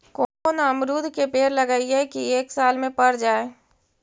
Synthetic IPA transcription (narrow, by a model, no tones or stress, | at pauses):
konaəmɾuːd̪ʱkepeːɾləɡaːiɛkieːksaːlmẽpəɾd͡ʒaːe